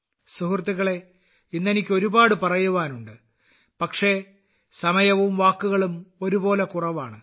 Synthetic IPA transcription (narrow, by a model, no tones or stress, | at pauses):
suhurt̪ːiɣɐɭe̞ | inːe̞nikʲːo̞ɾubaːɽɨpɐrɐjuʋaːnuɳɖɨ | pɐkʂe̞ | sɐmɐjɐʋumʋaːkːuɣɐɭumo̞ɾubo̞ːlekurɐʋaːɳɨ